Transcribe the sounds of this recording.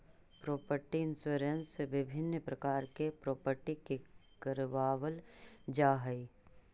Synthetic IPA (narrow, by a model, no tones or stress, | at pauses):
pɾoːpəɾʈiɪnsuːɾenseʋɪbʱɪnːpɾəkaːɾkepɾoːpəɾʈikekəɾʋaːwəld͡ʒaːɦəi